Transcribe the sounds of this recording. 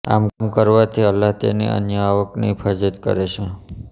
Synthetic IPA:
a̰mkmkəɾʋat̪ʰiəlːaɦt̪ḛnḛʔə̰njəaʋəknipʰəd͡ʒət̪kə̰ɾet͡ʃʰe

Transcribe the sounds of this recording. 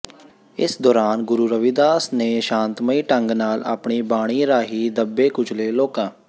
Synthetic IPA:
ɪsd̪ɔːɾaːnɡʊɾuːɾəʋiːd̪aːsnẽːʃãːnt̪məiːʈəŋɡnaːla̰ːpɳiːbaːɽ̃iːɾaːɦiːd̪əbːeːkʊt͡ʃʰleːloːkãː

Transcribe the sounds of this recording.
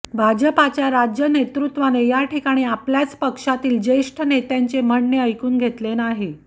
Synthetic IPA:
bʱad͡ʑəpat͡ɕjaɾad͡ʑjənet̪ɾut̪ʋanejaʈʰikaɽ̃iːapljat͡spəkʂat̪iːld͡ʑəiʂʈʰənet̪aɲt͡sem̤əɳːeəjkuːnɡʱet̪lenaɦe

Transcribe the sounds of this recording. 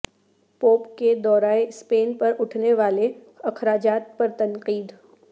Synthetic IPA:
poːpked̪ɔːɾaːespeːnpɐɾʊʈʰneʋaːle | ɐkɾaːd͡ʒaːt̪̚pɐɾt̪ɐ̃nqiːd̪

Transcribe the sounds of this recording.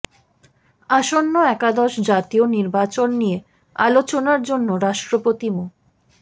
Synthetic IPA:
aʃonːoɛkad̪ɔʃd͡ʑat̪ioniɾbat͡ɕonːije | alot͡ɕonaɾd͡ʑonːoɾaʃʈɾopot̪imo

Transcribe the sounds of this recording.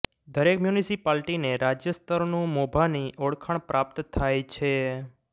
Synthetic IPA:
d̪əɾekmjunisipalʈineɾad͡ʒjəst̪əɾnũmobʱaniʔoɽkʰaɳ̃pɾap̚t̪t̪ʰːajt͡ʃʰe

